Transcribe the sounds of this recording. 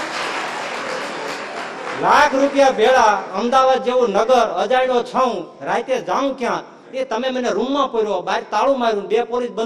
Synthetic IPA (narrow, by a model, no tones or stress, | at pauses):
lakʰɾupjabʱeɭaəmd̪aʋad̪̚d͡ʒeʋũnəɡəɾəd͡ʒaiɽ̃ot͡ʃʰəũɾajt̪ed͡ʒaũkjã | et̪əmeməneɾumːãpoiɾobaɾt̪aɭũmaiɾũɖepoɾis̚bən